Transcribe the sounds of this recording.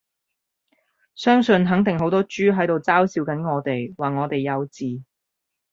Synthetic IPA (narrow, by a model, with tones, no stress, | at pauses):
sœː˥ŋsɵ˧nɦɐ˨˥ŋt̪ɪ˨ŋɦo˨˥wt̪ɔː˥t͡ʃyː˥ɦɐ˨˥jt̪o˨wt͡saː˥wsiː˧wkɐ˨˥nŋɔː˨˧t̪e˨jwaː˨ŋɔː˨˧t̪e˨jːɐ˨˧wt͡siː˨˩